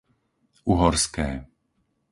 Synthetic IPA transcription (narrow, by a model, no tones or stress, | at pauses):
uɦɔɾskɛː